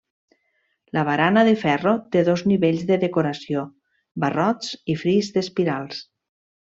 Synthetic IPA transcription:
ləβ̞aɾanəðefɛrot̪eðozniβeʎzðeðekoɾasio | bərɔt͡sifɾizðespiɾalˠs

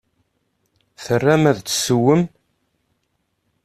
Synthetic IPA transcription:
θərːæmæðt͡sːsəwəm

